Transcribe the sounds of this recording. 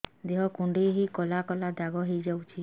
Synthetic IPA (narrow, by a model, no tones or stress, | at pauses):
d̪eɦɔkuɳɖiɦikɔlakɔlad̪aɡɔɦejd͡ʒawt͡ʃʰi